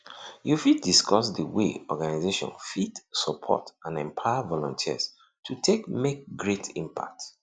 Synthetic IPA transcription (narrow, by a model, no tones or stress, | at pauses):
jufid̚diskʰɔsdəwḛɔɡanazeʃɔ̰̃nfidsɔpʰɔ̰tãnɛ̃mpʰaɪavɔlɔ̃ntʰiə̰s | tʰutʰekmek̚ɡɹetʰĩmpʰa̰k̚t